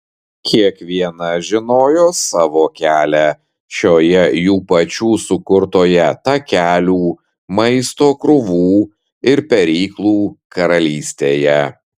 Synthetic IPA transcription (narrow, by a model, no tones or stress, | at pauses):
kʲʰiɛkʋʲiɛnɐʒʲɪnoːjoːsɑːʋoːkʲæːlʲæ | ʃʲoːjɛjuːpɐt͡ʃʲuːsʊkʊɾt̪oːjɛt̪ɐkʲæːlʲuː | mɐɪst̪oːkɾʊʋuː | ɪɾpʲɛɾʲiːklˠuːkɐɾɐlʲiːsʲt̪ʲeːjɛ